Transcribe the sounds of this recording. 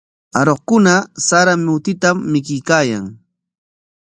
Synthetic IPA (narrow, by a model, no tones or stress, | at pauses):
aɾoχkʊnasaɾamʊt̪ɪt̪amːɪkɪjkaːja̰ŋ